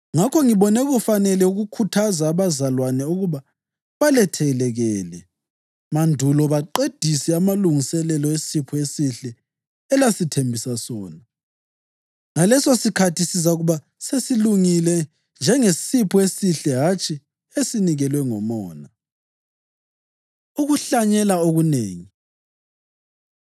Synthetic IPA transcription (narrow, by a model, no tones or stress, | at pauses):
ŋakʰɔŋiβɔnɛɣufanɛlɛuɣukʰutʰazaːβazalwanɛuɣuβa | βalɛtʰɛɛlɛɣɛːlɛ | mandʱulɔβaǃed̥ʱisɛamaluŋisɛlɛlɔesipʰɔesiɬɛː | lasitʰembʱisasɔːna | ŋalɛsosikʰatʰisis̬auɣuβa | sesiluŋilɛ | nd͡ʒʱɛŋesipʰɔesiɬɛɦat͡ʃʰʼi | esiniɣɛlwɛŋɔmɔːna | uɣuɬaɲɛlaoɣuneːŋi